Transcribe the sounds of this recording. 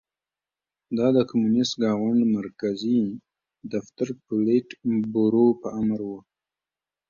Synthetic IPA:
d̪ɑd̪əkamunɪstɡɑɣaɳɖmaɾkazi | d̪aft̪aɾpʊleʈbuɾopəamɾwu

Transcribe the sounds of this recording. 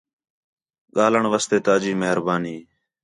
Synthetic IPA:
ɠaːləɳʋəːst̪eːt̪aːd͡ʒiːməɦəɾbaːniː

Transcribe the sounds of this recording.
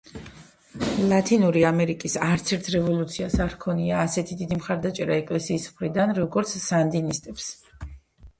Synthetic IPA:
lˠat̪ʰinuɾiamɛɾikʼisaɾt̪sʰɛɾt̪ʰɾɛvɔlˠut̪sʰiasaɾkʰɔniaːsɛt̪ʰid̪id̪imχaɾd̪at͡ʃʼɛɾaɛkʼlɛsiːsmχɾid̪anɾɔɡɔɾt̪sʰsand̪inist̪ʼɛps

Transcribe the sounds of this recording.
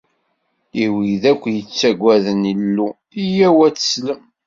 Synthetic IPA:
iwiðækʷːjət͡sːæɡʷːæðənilːu | ijæwæt͡sːə̥sləm

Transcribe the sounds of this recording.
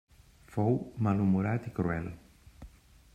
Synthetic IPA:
fowmalumuɾat̪ikɾuɛlo̰

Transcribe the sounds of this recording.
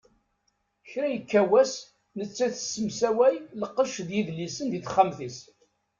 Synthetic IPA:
çɾæjəkːæwæs | nət͡sːæθə̥sːəmsæwæjləqːəʃðjiðlːisənd̪iθχːamθis

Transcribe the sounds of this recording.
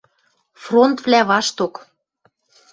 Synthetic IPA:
front̪vlæβɑʃt̪ok

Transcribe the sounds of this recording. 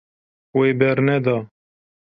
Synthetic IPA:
weːbɛɾnɛd̪ɑː

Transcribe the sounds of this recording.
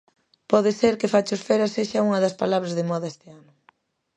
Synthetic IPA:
pɔðɪseɾkɪfat͡ʃosfɛɾɐseʃɐuŋɐðɐspalaβɾɐzðɪmɔðɐest̪ɪanʊ

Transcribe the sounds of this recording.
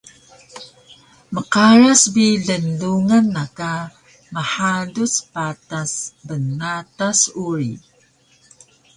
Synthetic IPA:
məqaɾasbiɮənduŋanːaka | məħaduspatasbənːatasuɾi

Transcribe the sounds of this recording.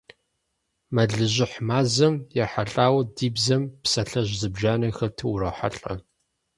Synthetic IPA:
mɐɮɨʑɪħmaːzɐmjɛħaɬʼaːwɐdiːbzɐmpsɐɬɐʑzɨbʒaːnɐxɐtʰɨwɾɐħa̰ɬʼɐ

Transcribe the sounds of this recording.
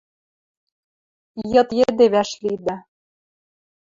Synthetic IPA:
jɤ̆t̪jed̪eβæʃlid̪æ

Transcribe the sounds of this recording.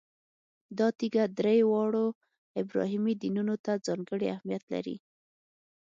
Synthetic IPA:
d̪ɑt̪iɡad̪ɾejwɑɽo | ɪbɾɑ̰ɦimid̪inunot̪ad͡zɑŋɡəɽiahmijat̪la̰ɾḭ

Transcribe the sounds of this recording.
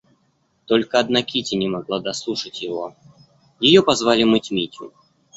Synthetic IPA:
t̪olʲkəɐd̪nakʲitʲɪnʲɪmɐɡlˠad̪ɐslˠuʂətʲjɪvo | jɪjopɐzvalʲɪmɨtʲmʲitʲʊ̰

